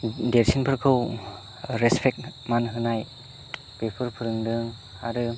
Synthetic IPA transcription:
deɾsʰinpʰɯɾkʰɯw | ɾɛspʰɛk̚manɦɯnaj | bepʰɯɾpʰɯɾɯŋdɯŋ | haɾɯ

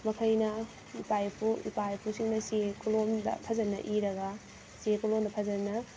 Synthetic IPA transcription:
mɐkʰɐjnɐ | ipajpʰuḭpajpʰusiŋnɐsekʰulomd̪ɐ̰pʰɐzɐnːɐ̰ʔiɾɐɡɐ | sekulomd̪ɐpʰɐzɐnːɐ

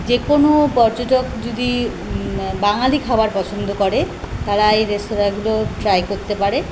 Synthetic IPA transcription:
d͡ʑekonopɔɾd͡ʑoʈokd͡ʑod̪i | baŋalikʰabaɾpɔt͡ɕʰond̪ʱokɔɾe | t̪aɾajɾestoɾaɡuloʈɾajkoɾt̪epaɾe

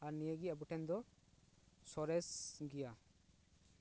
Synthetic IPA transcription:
aɾnijəɡiabuʈɛnd̪ɔ | sɔɾɛsɡija

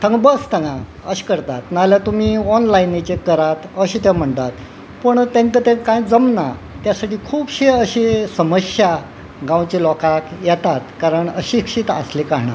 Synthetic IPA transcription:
t̪ʰə̃ŋɡbəst̪ʰãŋɡa | əɕi̥kəɾt̪at̪̚naljat̪umiːɔnlajnit͡ɕekəɾat̪əɕiːt̪ɛm̤əɳt̪at̪ | pəɳt̪ẽŋt̪ət̪ẽkãjd͡zəmna | t̪jasaʈiːkʰuːpɕeəɕisəməɕja | ɡãwt͡ɕilɔkakjɛt̪at̪kaɾəɳəɕikʂiːt̪a̰slikaɦɳa̰

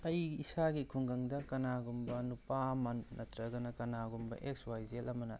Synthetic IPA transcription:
ɐjisaɡikʰuŋɡɐŋdɐkɐnaɡumbɐnupamɐnːɐtɾɐɡɐnɐkɐnaɡumbɐ̰ʔekswajzelɐmɐnɐ̰

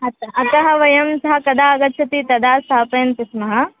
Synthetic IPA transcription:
ɐt̪ɐɐt̪ɐɦɐʋɐjɐmsɐɦɐkɐd̪aːɐɡɐt̪ːʃʰɐt̪it̪ɐd̪aːst̪ʰaːpɐjɐnt̪ismɐɦɐ

